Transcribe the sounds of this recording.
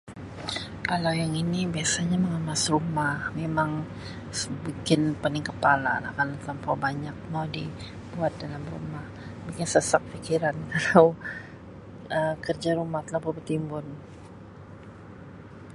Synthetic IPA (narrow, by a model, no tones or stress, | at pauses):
ʔalajaŋinibiasaɲaməŋəmasrumahmemaŋ | sbikɪnpənɪŋkəpala̰la̰kalat̪əlampabaɲak̚mawdi | buat̪̚dalamrṵmahbikɪnsəsak̚fikiɾankalaw | əkərd͡ʒaɾumaht̪əlampabət̪imbʊn